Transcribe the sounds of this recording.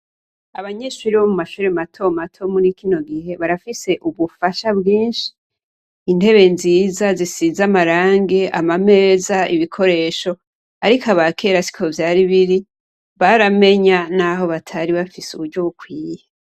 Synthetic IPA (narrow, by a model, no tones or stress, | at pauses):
aβaɲeʃuɾiβomumaʃuːɾematʰo̞matʰo̞munikino̞ɡihe̞βaɾafise̞ʔuβufaʃabɡiːnʃi̥ː | nde̞βe̞nziːzazisizamaɾaːŋɡe̞ʔa̰mame̞ːzaiβikʰo̞ɾe̞ːʃo̞ | aɾikaβakʰe̞ːɾasi̥kʰo̞vjaːɾiβiɾi | βaɾame̞ɲanaɦo̞βatʰaɾiβafisṵβuɾɟoβukwiːje